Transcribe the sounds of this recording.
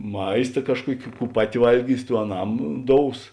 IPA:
ˈmɐɪstɐ ˈkɑːʃˌkuɔkʲɪ ˈkuː ˈpɑːˌtʲɪ ˈʋɐlʲˌɡʲiːs ˈtuː ɐˈnɐm ˈdoːʊs

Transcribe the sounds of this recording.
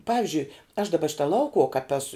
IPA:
ˈpɑːʋʲɪʒʲʊɪ ɐʃ dɐˈbɐ ˈʃʲɪtɐ ˈlˠɐʊkʊʊɔ kɐp ˈæːsʊ

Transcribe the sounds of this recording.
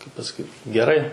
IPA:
kɐɪp pɐsɐˈkʲiːt ɡʲɛˈrɐɪ

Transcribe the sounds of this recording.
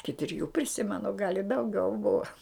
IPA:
ˈɪkʲɪ tʲrʲɪˈjuː pʲrʲɪˈsʲɪmʲɛnʊ ɡɐlʲ ɪ dɐʊˈɡʲɛʊ ˈbʊʋɐ

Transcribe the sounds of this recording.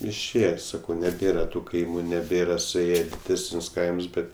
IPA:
ɪʃʲˈeːjɛ ˈsɑːkɐʊ nʲɛˈbʲeːrɐ tʊ ˈkɐɪmʊ nʲɛˈbʲeːrɐ sʊˈeːjɛ ɪ ˈtuɔs dʲɪˈdʲæːsʲnʲʊs ˈkɐɪms ˈbʲɛt

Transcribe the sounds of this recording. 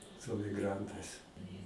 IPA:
sʊ ɐmʲɪɡˈrɐntɐɪs

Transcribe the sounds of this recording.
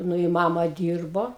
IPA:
ˈnʊ ɪ ˈmɑːmɐ ˈdʲiːrboː

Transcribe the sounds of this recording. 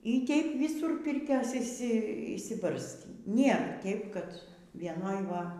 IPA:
iː ˈtʲɛɪp ˈʋʲɪsuːr ˈpʲɪrʲkʲoːs ɪʃʲˈsʲɪ ɪʃʲsʲɪˈbɐrʲsʲtʲiː nʲeːr ˈtʲɛɪp kɐt ʋʲiɛˈnoːj ˈʋɐ

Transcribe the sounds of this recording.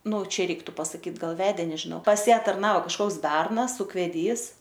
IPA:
nʊ ˈt͡ʃʲɛ ˈrʲɛɪktʊ pɐsɐˈkʲiːt ˈɡɐlˠ ˈʋʲæːdʲeː nʲɛʒʲɪˈnɐʊ pɐs ˈjæː tɐrˈnɐoː kɐʃˈkoːks ˈbʲɛrnɐs ʊkʋʲɛˈdʲiːs

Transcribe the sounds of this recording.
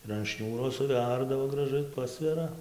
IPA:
ɪr ɐn ˈʃʲnʲuːroː sʊˈʋʲɛrdɐʋoː ɡrɐˈʒɐɪ ˈpɑːsʲʋʲɛrɐ

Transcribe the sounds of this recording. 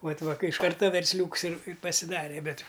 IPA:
ˈʋɐt ˈʋɐ ˈkɐɪ ɪʃ ˈkɐrtɐ ʋʲɛrʲsʲˈlʲuːks ɪr ɪr pɐsʲɪˈdɑːrʲɛ ˈbʲɛt

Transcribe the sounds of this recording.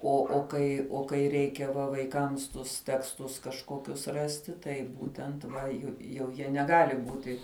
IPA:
ˈoː oː ˈkɐɪ oː kɐɪ ˈrʲɛɪkʲɛ ʋɐ ʋɐɪˈkɐms tʊs tʲɛksˈtʊs kɐʃˈkoːkʲʊs ˈrɑːsʲtʲɪ ˈtɐɪ ˈbuːtʲɛnt ʋɐ ˈjʊ jɛʊ ˈjiɛ nʲɛˈɡɑːlʲɪ ˈbuːtʲɪ

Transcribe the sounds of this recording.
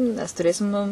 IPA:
nʲɛs tʊˈrʲeːsʲɪm nʊ

